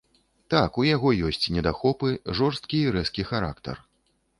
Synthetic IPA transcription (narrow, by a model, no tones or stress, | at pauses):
t̪akujaɣɔjɔsʲt͡sʲnʲɛd̪axɔpɨʐɔrst̪̚kʲiːɾɛskʲixaɾa̰kt̪ɐ̰r